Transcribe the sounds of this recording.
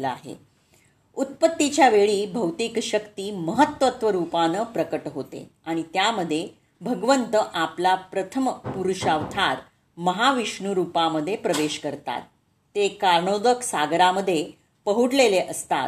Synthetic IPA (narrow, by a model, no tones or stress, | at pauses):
ləa̰ɦḛ | ut̪̚pət̪ːit͡ɕjaʋeɭiːbʱəwt̪ikɕəkt̪iːməɦət̪ʋət̪ʋəɾupanəːpɾəkəʈɦot̪ḛaɽ̃it̪jaməd̪ʱːje | bʱəɡʋənt̪əʔaplapɾət̪ʰəmpuɾuɕaʋt̪ʰaɾ | məɦaʋiʂɳuɾupaməd̪ʱːjepɾəʋeɕkəɾt̪a̰t̪ː | ekaɾɳod̪əksaɡɾaməd̪ʱːje | pəɦuɽleleʔəst̪a̰t̪